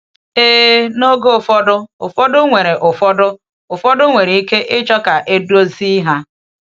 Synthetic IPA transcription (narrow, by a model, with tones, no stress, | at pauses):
eː˦no˦ɡo˦ʊ˨fɔ˦dʊ˦ʊ˨fɔ˦dʊ˦ŋʷe˨ɾe˨ʔʊ˨fɔ˦dʊ˦ | ʊ˨fɔ˦dʊ˦ŋʷe˨ɾe˨i˦ke˦ʔɪ˦t͡ʃɔ˦ka˨ʔe˦du˦o˦zi˦ɦa˦